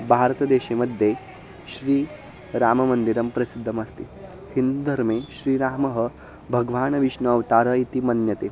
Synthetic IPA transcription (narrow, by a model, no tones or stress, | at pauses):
bʱaɾt̪əd̪eɕeməd̪ʱːje | ɕɾiː | ɾaːməmənd̪iɾəmpɾɐsid̪ʱːəməst̪iː | hind̪ud̪ʱəɾmeɕɾiːɾaːməɦə | bʱəɡʋaːnʋiɕɳəːʋt̪aːɾəit̪imɐnjɐt̪e